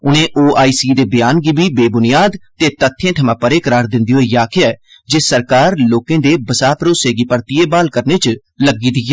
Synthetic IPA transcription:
ʊnẽːʔoːʔaːiːsiːd̪eːbɪjaːnɡiːbʱiːbeːbʊnɪjaːd̪t̪eːt̪ət̪ʰːẽːʈʰəmãːpəɾeːkəɾaːɾd̪ɪ̃nd̪iːɦoːijaːkʰɪjaɛː | d͡ʒeːsəɾkaːɾloːkẽːd̪eːbəsaːpɾoːseːɡiːpəɾt̪ɪjeːbaːlkəɾneːt͡ʃ | ləɡiːd̪iːeː

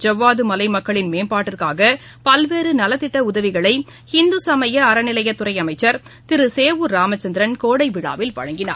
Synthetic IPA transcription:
d͡ʒɐʋːaːðɯmɐlɐɪmɐkːɐɭɪnmeːnpaːʈːɪrkaːɣɐ | pɐlʋeːɾɯnɐlɐt̪ːɪʈːɐʊðɐʋɪɣɐɭɐɪ | hɪnd̪ɯsɐmɐjɐɐɾɐnɪlɐjɐt̪ːʊɾɐɪɐmɐɪt͡ʃːɐɾt̪ɪɾɯseːʋɯɾaːmɐt͡ʃːɐnd̪ɪɾɐnkoːɽɐɪʋɪɻa̰ːʋɪlʋɐ̰ɻɐŋɡɪna̰ː

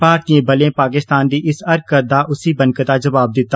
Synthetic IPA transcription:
paːk̚t̪iẽbɐlẽpaːk̬ɪst̪aːnd̪iʔɪsɐɾkkɐɾd̪aʔʊsibɐ̃nkət̪ad͡ʒɐʋaːb̚d̪ɪt̪ːa

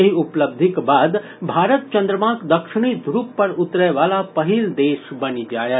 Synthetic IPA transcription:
əɦiʊpləb̚d̪ʱɪkbaːd̪ | bʱaːɾət̪̚t͡ʃə̃nd̪ɾəmãkd̪əkʃɪɽ̃id̪ʱɾuːpːəɾʊt̪ɾəʋaːlapəɦild̪eːʃbənid͡ʒaːjə

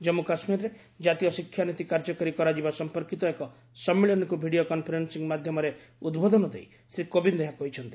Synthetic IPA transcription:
d͡ʒɔmukasmiɾɔɾe | d͡ʒat̪ijɔsikʰjanit̪ikaɾd͡ʒɔkɔɾikɔɾad͡ʒibasɔmpɔɾkit̪ɔekɔ | sɔmːiɭɔnɔkubʱiɽiokɔnpʰɔɾensiŋmad̪ʱjɔmɔɾe | ud̪bod̪ɔnɔd̪ʱej | sɾikobind̪eɦakɔɦit͡ʃʰɔnt̪i̥

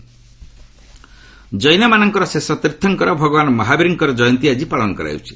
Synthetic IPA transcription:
d͡ʒɔjnamanɔŋkɔɾɔsesɔt̪iɾt̪ʰːɔŋkɔɾɔbʱɔɡɔbanɔmɔɦabiɾiŋkɔɾɔd͡ʒɔjɔnt̪iad͡ʒipaɭɔnɔkɔɾa̰wt͡ʃʰi̥

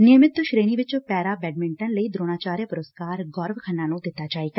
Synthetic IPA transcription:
nɪmɪt̪ʃɾeːniːʋɪt͡ʃpɛːɾaːbɛːɖmɪɳʈənləiːd̪ɾoːnaːt͡ʃaːɾjəpʊɾəskaːɾɡɔːɾʋkʰənːãːnũːd̪ɪt̪ːaːd͡ʒaːiːɡa

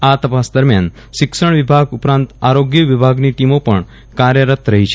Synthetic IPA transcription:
at̪əpasd̪əɾmjan | ʃɪkʃəɳ̃ʋɪbʱaɡupɾãnt̪aɾoɡjəʋɪbʱaɡniʈimopəɳ | kaɾjəɾət̪ɾəɦit͡ʃʰe

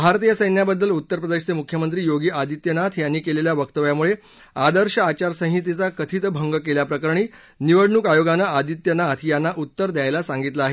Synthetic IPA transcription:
bʱaɾt̪ijəsəjnjabəd̪ːəlut̪ːəɾpɾəd̪eɕt͡semukʰjəmənt̪ɾiːjoɡiːʔad̪ʱit̪jənat̪ʰjanːiːkeleljaʋəkt̪əʋjamuɭe | ad̪əɾɕəat͡ɕaɾsə̃ɦɦit̪̬it͡sakət̪ʰit̪bʱəŋɡəkeljapɾəkəɾɳ̃iː | niʋəɽɳuːkajoɡanːaad̪ʱit̪jənat̪ʰijanːaʔut̪ːəɾd̪jajlasãŋɡit̪laaɦe

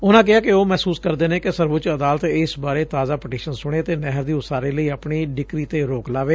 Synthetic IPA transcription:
ʊnãːk̬ɪɦaːkɪoːmɛːsuːskəɾd̪eːnẽːkɪsəɾʋʊt͡ʃəd̪aːlət̪ɪsbaːɾeːt̪aːzaːpəʈiːʃənsʊɽ̃eːt̪eːnɛɦəɾd̪iːʊsaːɾeːləiːapɳiːɖɪkɾiːt̪eːɾoːklaːʋeː

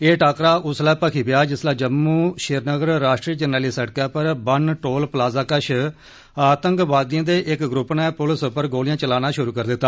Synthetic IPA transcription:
eːʈʰaːkɾaːʔʊslɛːpəkʰiːbɪjaːd͡ʒɪslaːd͡ʒəmːuːʃɪɾnəɡəɾːaːʃʈɾiːd͡ʒəneːliːsəɽkɛːpəɾbənʈoːlplaːzaːkəʃʰ | aːt̪əŋkʋaːd̪ɪjãːd̪eːʔɪkɡɾʊpnɛ̃ːpʊlspəɾɡoːlɪjãːt͡ʃəlaːnaːʃʊɾuːkəɾd̪ɪt̪ːaː

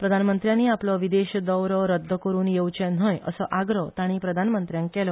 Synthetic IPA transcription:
pɾəd̪ʱanmənt̪ɾjãniaplɔʋid̪eɕd̪əwɾəɾəd̪ʱːəkəɾuːnjewt͡ɕen̤ɦəjə̰səʔaɡɾət̪aɽ̃iːpɾəd̪ʱanmənt̪ɾjãŋkkɛlɔ

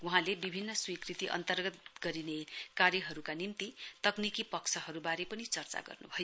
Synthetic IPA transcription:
uɦãlebibʱinːʌswikrit̪iʔʌ̰nt̪ʌrɡʌt̪ɡʌɾinekaɾjʌɦʌɾukanimt̪it̪ʌknikipʌkt͡sʰʌɦʌɾubaɾepʌnit͡sʌrt͡sa̰ɡʌ̰rnṵbʱʌjo

